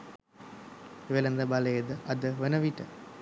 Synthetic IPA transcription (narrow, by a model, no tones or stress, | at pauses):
ʋelɐnd̪ɐbɐlɐjəd̪əʔɐd̪əʋənɐʋiʈə